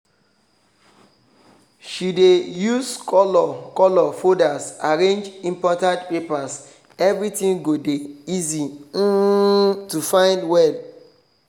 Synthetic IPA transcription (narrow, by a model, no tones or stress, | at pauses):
ʃidejuzkɔlɔkɔlɔfodasaɾẽnd͡ʒĩmpɔtãdpepas | ɛvɾitĩŋɡodeizi | tufãɪ̃ndwɛl